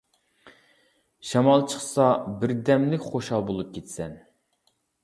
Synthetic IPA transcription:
ʃɑmɑlˠt͡ʃʰəχsɑbɪɾd̪ɛmlɪkʲχoʃɑlˠbolˠup̚kʲʰet̪sɛn

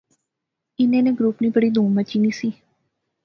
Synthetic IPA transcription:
ɪnẽːnẽɡɾuːpnibəɽiːd̪ʱũːmbət͡ʃiːnisiː

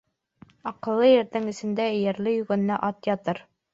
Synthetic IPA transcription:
ɒqɤ̆lˠːɤjɘ̆ɾðɘŋɘ̆sɘ̆nd̪æjæɾlɘjɵ̆ɡɘ̆n̆ːæʔɒt̪jɒt̪ɤɾ

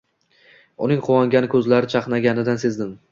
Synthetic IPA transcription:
ʊnɪŋqʰʊwɒŋɡʲanɪkʰɵzlaɾɪt͡ʃʰɑqnaɡʲanɪd̪anse̞zd̪ɪm

